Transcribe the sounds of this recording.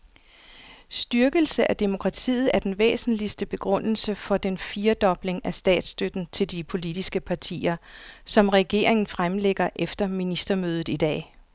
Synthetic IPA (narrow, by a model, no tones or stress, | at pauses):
sd̥yɐɡ̥əl̩səʔæd̥e̝mo̝kʰʁɑ̈t͡sʰḭːð̞̩ˠæɐd̥enʋḛːsn̩lisd̥əb̥e̝ɡ̥ʁɔ̽n̰l̩səfɒ̽d̥enfiːɐd̥ɒ̽b̥le̝ŋæsd̥ɛ̰ːd̥sd̥ød̥n̩t͡sʰe̝ld̥ipʰo̝lid̥isɡ̥əpʰɑ̈t͡sʰḭːɐsɒ̽mʁɛɡ̥e̝̰ːɐ̰eŋn̩fʁamleɡ̥ɐʔefd̥ɐminisd̥ɐmøːð̞ˠð̩ˠid̥ɛ̰ː